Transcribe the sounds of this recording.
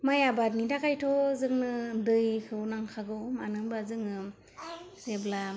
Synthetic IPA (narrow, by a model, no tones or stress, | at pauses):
majabatnidakʰajtʰɔzɯŋnɯdɯjkʰɯwnaŋkʰaɡɯwmanɯŋbazɯŋɯ | zebla